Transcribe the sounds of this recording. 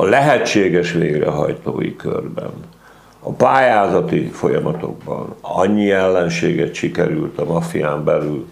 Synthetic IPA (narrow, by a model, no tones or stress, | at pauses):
ɒlɛɦɛt͡ʃːeːɡɛʃʋeːɡrɛ̰ɦɒjt̪oːjikørbɛ̰n | ɒpaːjaːzɒt̪ifo̞jɒmɒt̪o̞̰ɡ̚bɒ̰nɒɲːiɛlːɛnʃeːɡɛt̪ʃikɛɾylt̪ɒmɒfijaːmbɛlyl